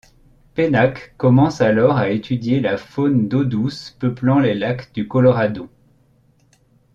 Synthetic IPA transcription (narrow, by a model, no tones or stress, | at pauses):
penakːɔmɑ̃salɔʁaet̪ʰyd̪jelafond̪od̪uspəplɑ̃lelakd̪ykɔlɔʁad̪õ